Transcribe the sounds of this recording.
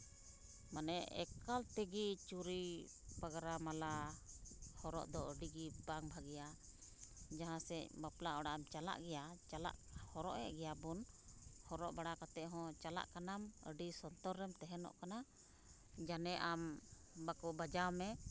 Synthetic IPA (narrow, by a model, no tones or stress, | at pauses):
manɛɛ̰kalt̪ɛɡit͡ʃuɾi | pɔɡɾamala | hɔɾɔ̰ʔd̪ɔəɖiɡibaŋbʱaɡɛja | d͡ʒaɦãsɛbaplaɔɽaʔamt͡ʃala̰ʔɡɛjat͡ʃala̰ʔhɔɾɔ̰ʔjɛ̰ʔɡɛjabun | hɔɾɔʔbaɽakat̪ɛʔɦɔ̃t͡ʃala̰ʔkanamə̰ɖisɔnt̪ɔɾːɛmt̪ɛɦɛnɔ̰ʔkana | d͡ʒanɛʔam | bakɔbad͡ʒamɛ